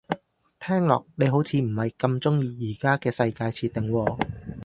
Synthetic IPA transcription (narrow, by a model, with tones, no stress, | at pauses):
t̪ʰɛː˥ŋlɔ̰ː˨k̚ne˨˧jɦo˨˥wt͡sʰiː˧m̩˨˩hɐ˨˩jkɐ˧mt͡sʊ˥ŋjiː˧jiː˨˩kaː˥kɛː˧sɐ˧jkaː˧jt͡sʰiː˧t̪̚ːɪ˨ŋwɔː˧